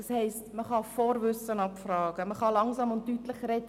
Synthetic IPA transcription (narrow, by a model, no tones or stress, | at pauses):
ɑshɛɪstməχɑfɔːɾvʏsənɑpfrɑːɡ̥əməχɑlɑŋsɑmʊnttːytləχɾɛd